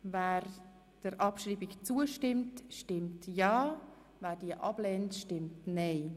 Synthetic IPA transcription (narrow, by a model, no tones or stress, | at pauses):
væːɾ | d̥əɾʔɑpʃriːbɪkt͡suəʃtɪmtʃtɪmtjɑː | væːɾd̥iəʔɑb̥lɛːntʃtɪmtnɛɪ